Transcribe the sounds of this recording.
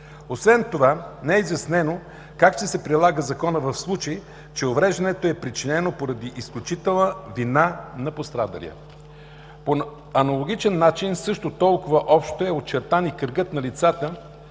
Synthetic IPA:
osvɛnt̪ovanɛɛizjɐsnɛno | kakʃt͡ʃt̪ɛsɛpɾilˠaɡəzɐkɔnəvɐfslˠut͡ʃəji | t͡ʃɛovɾɛʒd̪ɐnɛt̪oɛpɾit͡ʃinɛnopoɾɐd̪iʔisklʲut͡ʃit̪ɛlˠnəvinanɐpost̪ɾad̪ə̰lʲḭə̰ | po | ɐnɐlˠoɡ̟it͡ʃɛnːat͡ʃinsɤʃt̪ot̪ɔlˠkʊvəʔɔpʃt̪oɛot̪̚t͡ʃɛɾt̪anikəɾɡɤt̪nɐlit̪sat̪ə

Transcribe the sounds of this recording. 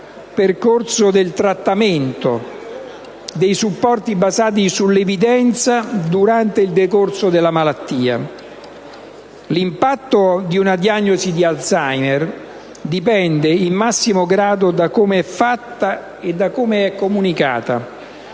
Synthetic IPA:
perkorsod̪elt̪ɾat̪ːament̪o | d̪ejsupːɔrt̪ibazaːt̪̬isulːevid̪ɛnt̪sad̪uɾant̪eild̪ekorsod̪elːamalat̪ːiːa̰ | limpat̪ːod̪iunad̪ianːozid̪ialsajmɛr | d̪ipɛnd̪eimːasːimoɡɾaːd̪od̪akomeɛfːat̪ːa | ed̪ːakomeɛkːomunika̰ːt̪a̰

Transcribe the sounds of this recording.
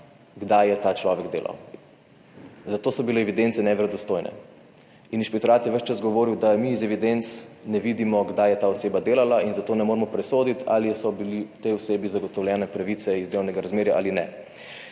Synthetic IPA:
ɡd̪ajɛt̪at͡ʃlɔːʋɛɡd̪ḛːlʔa̰w | zat̪oːsɔbileɛʋid̪ent̪sɛnɛʋɾɛd̪ɔst̪oːjnʔɛ̰ | ininʃpɛkt̪ɔɾaːt̪jɛʋəʃt͡ʃasɡɔʋoːɾiwd̪amiːzɛʋid̪ent̪snɛʋid̪imɔɡd̪ajɛt̪aːɔseːbad̪eːlalainzat̪oːnɛmoːɾmɔpɾɛsoːd̪it̪a̰lisɔbilit̪eɔseːbizaɡɔt̪ɔwljɛːnɛpɾaʋit̪sɛizd̪elɐwnɛɡaɾazmeːɾjaʔa̰linɛ

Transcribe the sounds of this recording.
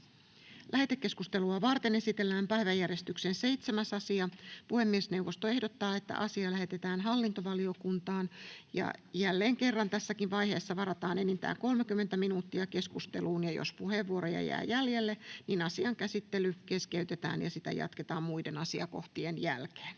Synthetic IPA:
lʔæhet̪ekːe̞skust̪eluɑʋɑrt̪ene̞sit̪elːæːmpæiʋæjːærjest̪yksenseit̪semæsɑsiɑpuhemːiesneuʋːost̪oe̞hdot̪ːɑːet̪ːæ̰ʔɑsiɑlæhe̞t̪et̪æːnɦɑlːint̪oʋɑlio̞kunt̪ɑːnjɑ̰jælːeːŋke̞rːɑnt̪æsːækiʋʋɑiheːsːɑʋɑɾɑt̪ɑːnenint̪æ̰ːŋko̞lmekymːent̪æminuːt̪ːiɑke̞skust̪ḛluːnjɑjo̰spuheʋːuoɾojɑ̰jæ̰ːjæljelːeninɑsiɑŋkæsit̪ːelykeskeyt̪et̪æ̰ːnjɑ̰sit̪æ̰jɑ̰t̪ket̪ɑːmmuidenɑsiɑ̰ko̞̰ht̪ienjælke̥ːn

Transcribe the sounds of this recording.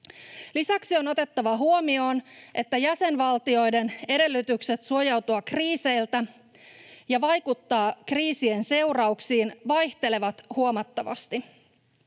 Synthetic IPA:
lisæksio̞no̞t̪e̞t̪ːɑʋɑɦuo̞mio̞ːnʔe̞t̪ːæjæse̞nʋɑlt̪io̞jde̞ne̞ɾe̞lːyt̪ykse̞t̪suojɑwt̪uɑkriːse̞jlt̪æ | jɑʋɑjkut̪ːɑːkriːsie̞nse̞wrɑuksiːnʋɑjht̪e̞le̞ʋɑt̪huo̞mɑt̪ːɑʋɑ̰st̪i

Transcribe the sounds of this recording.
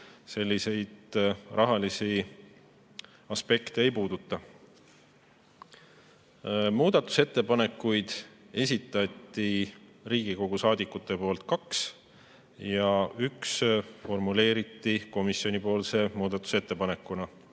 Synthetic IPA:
se̞lʲːise̞jd̪̥rʔɑɦɑlisi | ɑspe̞kt̪eejpuːd̪̥ut̪ːˑɑ | muːd̪̥ɑt̪ːˑu̥set̪ːe̞pɑne̞kːujd̪̥ | e̞s̬ʲit̪ːˑɑt̪ˑːiriːɡ̥iko̞ɡ̥usɑːd̪ikːˑut̪ːˑe̞po̞ːlt̪̚kɑks | jɑyksfo̞rmule̞ːɾit̪ːˑiko̞misio̞nipo̞ːlse̞muːd̪̥ɑt̪ːˑu̥se̞t̪ːe̞pɑne̞kːˑunɑ

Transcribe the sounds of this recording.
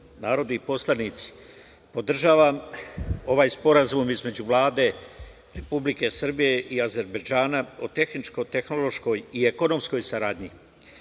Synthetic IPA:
naːɾo̞d̪iipo̞slˠaniːt̪si̥ | po̞d̪r̩ʒaːʋam | o̞ʋaːjspo̞ɾazumizme̞d͡ʑuʋlˠaːd̪e̞ | ɾe̞publike̞sr̩bije̞ʔiaze̞ɾbed͡ʒaːnaot̪e̞xnit͡ʃko̞t̪e̞xno̞lo̞ʃko̞jieko̞no̞msko̞jsaɾaːd̪ɲi

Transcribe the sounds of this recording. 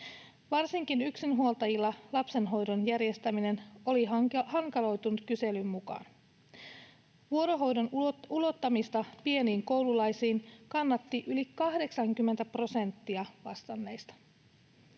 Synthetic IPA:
ʋɑrsiŋkinyksinɦuo̞lt̪ɑjilːɑlɑpse̞nɦo̞jdonjærje̞st̪æmine̞no̞lihɑŋkɑlo̞jt̪unut̪kyse̞lymːukɑ̰ːn | ʋuo̞ɾo̞ɦo̞jdonulo̞t̪ːɑmist̪ɑpie̞niːŋko̞wlulɑjsiːnkɑnːɑt̪ːiʔylikɑhde̞ksɑŋkymːe̞nt̪æpro̞se̞nt̪ːiɑʋɑst̪ɑnːe̞jst̪ɑ̥

